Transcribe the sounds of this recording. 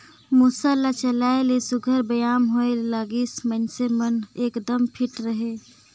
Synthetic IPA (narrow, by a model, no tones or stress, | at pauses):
musəlːat͡ʃəlaelesuɡʱəɾbəjamɦoelaɡismənsemənekd̪əmpʰiʈɾəɦe